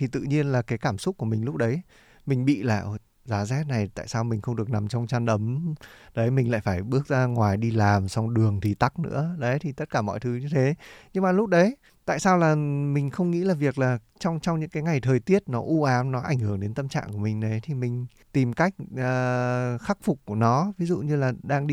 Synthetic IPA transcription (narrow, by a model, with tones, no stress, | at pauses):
t̪ʰi˨˩t̪ɨ̰˧˨ɲi˧ənlaː˨˩kaː˨˦jkaː˧˩msʊ˦˥k͡p̚ku˧˩əmï˨˩ŋ̟lʊ˦˥k͡p̚ɗə˨˦j | mï˨˩ŋ̟ɓḭ˧˨la̰ː˧˩˨w | zaː˨˦zɛ˦˥t̚na˨˩jt̪a̰ː˧˨jsaː˧wmï˨˩ŋ̟xə˧wŋ͡mɗɨ˨˩ək̚na˨˩mt͡ɕɔ˧wŋ͡mt͡ɕaː˧nʔə˨˦mɗə˨˦jmï˨˩ŋ̟la̰ː˧˨jfaː˧˩jɓɨ˦˥ək̚zaː˧ŋwaː˨˩jɗi˧laː˨˩msa˧wŋ͡mɗɨ˨˩əŋt̪ʰi˨˩t̪a˦˥k̚nɨ̰˧˥əɗə˨˦jt̪ʰi˨˩t̪ə˦˥t̚kaː˧˩mɔ̰˧˨jt̪ʰɨ˨˦ɲɨ˧t̪ʰe˨˦ɲɨ˧ŋmaː˨˩lʊ˦˥k͡p̚ɗə˨˦j | t̪a̰ː˧˨jsaː˧wlaː˨˩mï˨˩ŋ̟xə˧wŋ͡mŋḭ˧˥laː˨˩vi˨˩ək̚laː˨˩ | t͡ɕɔ˧wŋ͡mt͡ɕɔ˧wŋ͡mɲɨ̰˧˥ŋkaː˨˦jŋa˨˩jt̪ʰəː˨˩jt̪i˦˥ət̚nɔ˨˦ʔu˧ʔaː˨˦mnɔ˨˦ʔa̰˧˩ŋhɨ˧˩əŋɗe˨˦nt̪ə˧mt͡ɕa̰ː˧˨ŋku˧˩əmï˨˩ŋ̟ɗə˨˦jt̪ʰi˨˩mï˨˩ŋ̟ | t̪i˨˩mka˦˥jk̟̚ʔəː˨˩xa˦˥k̚fʊ˨˩k͡p̚ku˧˩ənɔ˨˦vi˨˦zṵ˧˨ɲɨ˧laː˨˩ɗaː˧ŋɗi˧